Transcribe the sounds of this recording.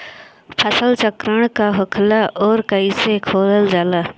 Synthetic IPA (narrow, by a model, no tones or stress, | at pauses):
pʰəsəlt͡ʃəkɾəɳ̃kaːɦʊkʰlaːʔoːɾkəiːseːkʰoːləld͡ʒaːlaː